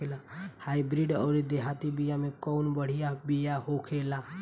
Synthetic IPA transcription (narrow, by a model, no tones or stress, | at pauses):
elahaibɾiɖɔʊɾid̪eɦat̪ibijamẽkɔʊnbəɽ̤ijabijaɦokʰela